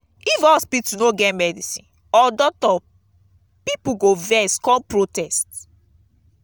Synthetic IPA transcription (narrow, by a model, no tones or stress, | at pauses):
ifɔspiktunoɡɛtmɛdisḭ̃n | ɔdɔk̚tɔ | pipuɡovɛskɔ̃pɹotɛst